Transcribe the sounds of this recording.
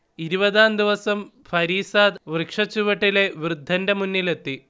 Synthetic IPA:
iɾubɐðaːnd̪iʋɐsɐm | fʰɐɾiːsaːd̪ʋrɨkʂɐt͡ɕːuʋɐʈːile̞ʋrɨd̪ʱːɐndemunːile̞t̪ːi

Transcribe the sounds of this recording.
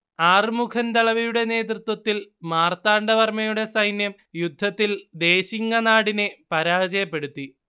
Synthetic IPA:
aːrmukʰɐnd̪ɐɭɐʋɐjuɽe̞ne̞ːt̪rɨt̪wɐt̪ːilmaːrt̪aːɳɖɐʋɐrmɐjuɽe̞sɐjnjɐm | jud̪ʱːɐt̪ːild̪e̞ːɕiŋːɐnaːɽine̞pɐɾaːd͡ʑɐjɐpːe̞ɽut̪ːi

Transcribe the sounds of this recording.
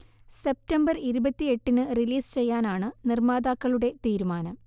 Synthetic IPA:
se̞p̚tɐmbɐriɾubɐt̪ːie̞ʈːinɨriliːst͡ɕe̞jːaːnaːɳɨnirmaːd̪aːkːɐɭuɽe̞t̪iːɾumaːnɐm

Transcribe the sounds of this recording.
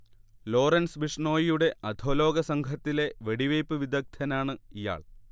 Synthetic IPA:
lo̞ːrɐnsʋiʂɳo̞ːjijuɽe̞ɐd̪ʱoːlo̞ːɡɐsɐŋɡʱɐt̪ːile̞ʋe̞ɽiʋɐjpːɨʋid̪ɐk̚t̪ʰɐnaːɳɨija̰ːɭ

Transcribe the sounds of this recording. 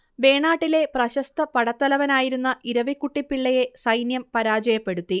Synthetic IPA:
be̞ːɳaːʈːile̞prɐɕɐst̪ɐpɐɽɐt̪ːɐlɐʋɐnaːjiɾunːɐʔiɾɐʋikːuʈːipːiɭːɐje̞sɐjnjɐmpɐɾaːd͡ʑɐjɐpːe̞ɽut̪ːi

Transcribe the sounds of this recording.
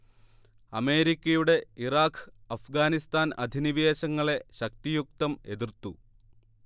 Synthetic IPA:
ɐme̞ːɾikʲːɐjuɽe̞iraːkʰɐfɡaːnist̪aːnɐ̰d̪ʱiniʋeːɕɐŋːɐɭe̞ɕɐk̚t̪ijuk̚t̪ɐme̞ðirt̪ːu

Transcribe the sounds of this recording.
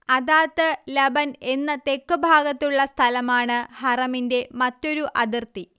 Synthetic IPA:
ɐðaːt̪ːɨlɐbɐne̞nːɐt̪e̞kːɨbʱaːɡɐt̪ːuɭːɐst̪ʰɐlɐmaːɳɨhɐrɐminde̞mɐtːo̞ɾuʔɐðirt̪i

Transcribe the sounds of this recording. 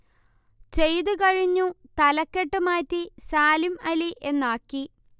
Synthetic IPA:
t͡ɕe̞jt̪ɨkɐɻiɲːut̪ɐlɐkːeʈːɨmaːtːisaːlimɐliʔe̞nːaːkːi

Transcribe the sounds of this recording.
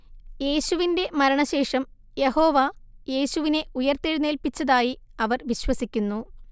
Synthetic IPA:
je̞ːɕuʋinde̞mɐɾɐɳɐɕe̞ːʂɐm | je̞ho̞ːʋɐje̞ːɕuʋine̞ʔujɐrt̪eɻune̞ːlpit͡ɕːɐðaːjiɐʋɐrʋiɕwɐsikʲːunːu

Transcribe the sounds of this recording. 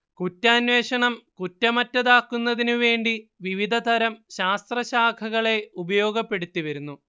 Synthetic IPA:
kutːaːnwe̞ːʂɐɳɐmkutːɐmɐtːɐðaːkːunːɐðinuʋe̞ːɳɖiʋiʋid̪ʱɐt̪ɐɾɐmɕaːst̪rɐɕaːkʰɐɣɐɭe̞ubɐjo̞ːɡɐpːe̞ɽut̪ːiʋɐɾunːu

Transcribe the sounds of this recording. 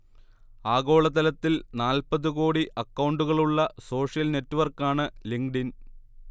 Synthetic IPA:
aːɣo̞ːɭɐt̪ɐlɐt̪ːilnaːlpɐðukoːɽiʔɐkːɐwuɳɖuɣɐɭuɭːɐso̞ːʂjɐlne̞tːuʋɐrkːaːɳɨliŋɡɖin

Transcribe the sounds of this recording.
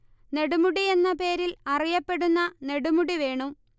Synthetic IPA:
ne̞ɽumuɽie̞nːɐpe̞ːɾilɐrijɐpːe̞ɽunːɐne̞ɽumuɽiʋe̞ːɳum

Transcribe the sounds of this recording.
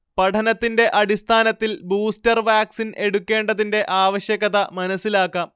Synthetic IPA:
pɐʈʰɐnɐt̪ːinde̞ʔɐɽist̪ʰaːnɐt̪ːilbuːstɐrʋaːksine̞ɽukʲːe̞ːɳɖɐðinde̞ʔaːʋɐɕjɐɣɐðɐmɐnɐsːilaːkːɐ

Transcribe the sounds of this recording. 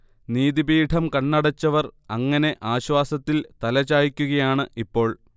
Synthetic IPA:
niːðibiːʈʰɐmkɐɳːɐɽɐt͡ɕːɐʋɐrɐŋːɐne̞ʔaːɕwaːsɐt̪ːilt̪ɐlɐt͡ɕːaːjikʲːuɣɐjaːɳɨipːo̞ːɭ

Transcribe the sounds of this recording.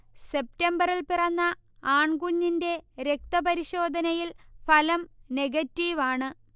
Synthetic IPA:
se̞p̚tembɐrilpirɐnːɐ | aːɳɡuɲːinde̞ɾe̞k̚t̪ɐpɐɾiɕo̞ːd̪ʱɐnɐjilfɐlɐmne̞ɡɐtːiʋaːɳɨ

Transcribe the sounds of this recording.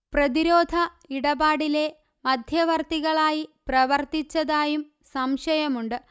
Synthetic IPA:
prɐðiɾoːd̪ʱɐ | iɽɐbaːɽile̞ | mɐd̪ʱjɐʋɐrt̪iɣɐɭaːjiprɐʋɐrt̪it͡ɕːɐðaːjum | sɐmʂɐjɐmuɳɖɨ

